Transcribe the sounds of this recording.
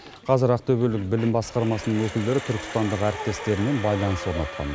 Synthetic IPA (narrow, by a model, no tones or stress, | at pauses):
qʰɑzɪɾɑq̚t̪ɵbe̞lɪk̚bɪlɪmbɑsqɑɾmɑsənəɴŋwɵkʲɪld̪e̞ɾɪt̪ʰʏɾkʲɪ̥st̪ɑnd̪əqæɾɪp̚t̪e̞st̪e̞ɾɪme̞nbɑjlˠɑnəswo̞ɾnɑt̪̚qʰɑ̰n